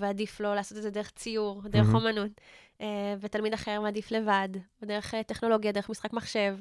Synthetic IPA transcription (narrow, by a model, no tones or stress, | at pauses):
veadiflo̞laːso̞t̪̬ezed̪eʁeχt͡sijuʁd̪eʁeχo̞manut | evetalmid̪aχeʁmad̪ifle̞vadd̪eeχteχno̞lo̞ɡjade̞ʁeχmisχakmaχʃe̞v